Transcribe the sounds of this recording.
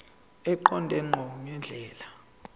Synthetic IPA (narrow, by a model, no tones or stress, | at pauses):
ɛǃɔndʱɛŋ͡ǃʱɔɔɲɛnd͡ɮʱɛːla